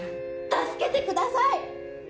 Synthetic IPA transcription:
t̪asɨ̥ket̪ekɯd̪asaj

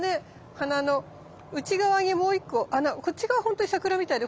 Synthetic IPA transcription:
ne̞ | hanano̞ | ɯ̟t͡ɕiɡaβaŋemo̞ːikːohanako̞t͡ɕːiɡaβaho̞nt̪oɲisakɯ̟ɾamʲit̪aid̪e̞

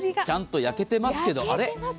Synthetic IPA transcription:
t͡ɕãnt̪o̞jake̞t̪e̞masɨ̥ke̞d̪o̞ʔaɾe̞

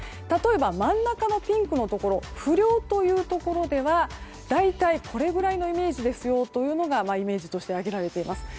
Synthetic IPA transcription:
t̪at̪o̞e̞bamãnːakano̞pʲĩŋkɯ̟no̞t̪o̞ko̞ɾo̞ɸɯ̟ɾʲo̞ːt̪o̞jɯ̟ːt̪o̞ko̞ɾo̞d̪e̞βa | d̪̥ait̪aikʰo̞ɾe̞ɡɯ̟ɾaino̞ime̞ːʑid̪e̞sɨjo̞t̪o̞jɯ̟ːno̞ɡamaime̞ːʑit̪o̞ɕi̥t̪e̞aɡe̞ɾaɾe̞t̪e̞imasɨ̥

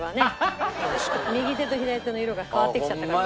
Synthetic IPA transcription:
βane̞ | mʲiɡʲit̪e̞t̪oçid̪ait͡s̪ɨnoiɾo̞ɡakaβat̪ːekʲi̥t͡ɕat̪ːaka

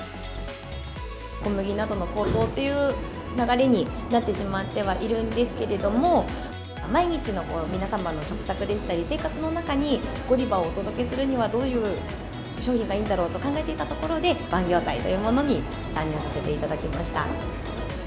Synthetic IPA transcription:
ko̞mɯ̟ɡʲinad̪o̞no̞ko̞ːt̪o̞ːt̪ːe̞jɯ̟ː | naɡaɾe̞ɲ̟inat̪ːe̞ɕimat̪ːe̞β̞aʔiɾɯ̟̃nd̪e̞sɨ̥ke̞ɾe̞d̪o̞mo̞ | maiɲ̟it͡ɕino̞ko̞ːmʲinasamano̞ɕo̞kɯ̟̥t̪akɯ̟d̪e̞ɕi̥t̪ːaɾʲise̞ːkat͡sɨno̞nakaɲ̟i | ɡ̥o̞ɾʲibaoːt̪o̞d̪o̞ke̞sɨɾɯɲ̟iβad̪o̞ːjɯ̟ː | ɕo̞ːçĩŋɡaiːnd̪aɾo̞ːt̪o̞kãŋɡae̞t̪e̞it̪at̪o̞ko̞ɾo̞d̪e̞b̥ãŋɡʲo̞ːt̪aḭt̪o̞jɯ̟ːmo̞no̞ɲ̟i | t̪ãɲ̟ːĩːsase̞t̪e̞it̪ad̪akʲimaɕi̥t̪a̰

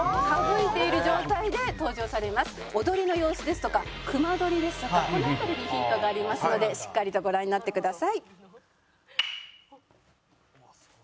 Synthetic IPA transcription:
habɯit̪e̞iɾɯ̟ʑo̞ːt̪aid̪e̞t̪o̞ːʑo̞ːsaɾe̞masɨ̥ | o̞d̪o̞ɾʲino̞jo̞ːsɨd̪e̞sɨ̥t̪o̞kakɯ̟mad̪o̞ɾʲid̪e̞sɨ̥t̪o̞kakonoat̪aɾʲiɲʲiçĩnt̪o̞ɡaːɾʲimasɨno̞d̪e̞ɕi̥kːaɾʲit̪o̞ɡo̞ɾãɲ̟ːinat̪ːe̞kɯd̪asai

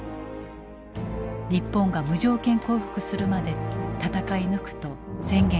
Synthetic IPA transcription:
ɾʲipːõ̞ŋɡamɯ̟ʑo̞ːkẽ̞ŋko̞ːɸɯ̟̥kɯ̟sɨɾɯ̟mad̪e̞t̪at̪akainɯ̟kɯ̟̥t̪o̞sẽ̞ŋɡẽ

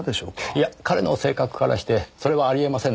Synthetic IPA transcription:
d̪eɕo̰ːijakaɾe̞no̞se̞ːkakɯ̟̥kaɾa̰ɕi̥t̪e̞so̞ɾe̞βaːɾʲie̞masẽ

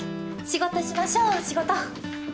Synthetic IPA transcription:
ɕiɡo̞t̪oɕimaɕoːɕiɡo̞t̪o

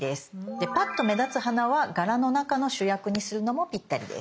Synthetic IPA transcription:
d̪e̞sɨ̥d̪e̞pat̪ːo̞me̞d̪at͡sɨhanaβaɡaɾano̞nakano̞ɕɨjakɯ̟ɲ̟isɨɾɯ̟no̞mo̞pʲit̪ːaɾʲid̪ḛ

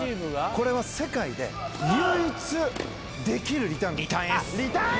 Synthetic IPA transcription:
imɯɡako̞ɾe̞β̞ase̞kaid̪e̞̰jɯːit͡sɨ | d̪e̞kʲiɾɯ̟ɾʲit̪ãnit̪asia

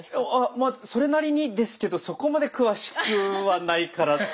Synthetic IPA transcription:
amaso̞ɾe̞naɾʲiɲ̟id̪e̞sɨ̥ke̞d̪o̞so̞ko̞mad̪e̞kɯ̟βaɕi̥kɯ̟βanaikaɾa

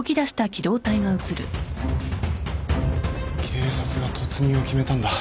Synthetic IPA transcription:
okʲid̪aɕi̥t̪akʲid̪o̞ːt̪aiɡaɯ̟t͡sɨɾɯ̟̰ | kʲʰeːsat͡sɨɡat̪ʰo̞t͡sɨɲ̟io̞kʲime̞t̪ãnd̪a

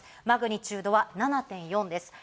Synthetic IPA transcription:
maɡɯ̟ɲ̟ʲit͡ɕɨːd̪o̞βananat̪ẽ̞ɰ̃jõ̞nd̪e̞sɨ̥

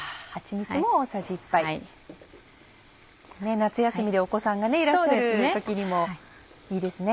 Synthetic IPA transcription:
hat͡ɕiɲʲit͡sɨmo̞ːsaʑipːai | ne̞nat͡sɨjasɨmʲid̪e̞o̞ko̞sãŋɡane̞iɾaoɕːad̪eɾɯsɨeokʲiɲ̟imo̞ | iːd̪e̞sɨne̞

